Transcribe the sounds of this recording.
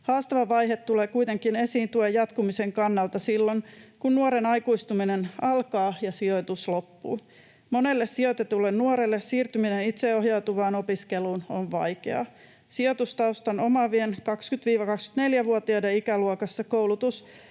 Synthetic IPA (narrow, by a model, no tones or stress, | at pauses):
hɑːst̪ɑʋɑʋɑjɦet̪ːuleːkujt̪e̞ŋkine̞siːnt̪uejɑt̪kumiseŋkɑnːɑlt̪ɑsilːonkunnuoɾenɑjkuist̪uminenɑlkɑːjɑsio̞t̪uslo̞pːṵː | mo̞ne̞lːessiot̪et̪ulːennuoɾelːessiːrt̪yminenit̪seoɦjɑwt̪uʋɑːno̞piskeluːnoɱʋɑ̰jkḛɑ̰ | siot̪ust̪ɑust̪ɑno̞mɑʋienkɑkskyt̪ʋiːʋɑkɑksky̥t̪ne̞ljæʋuot̪iɑdeikæluokɑsːɑkowlut̪us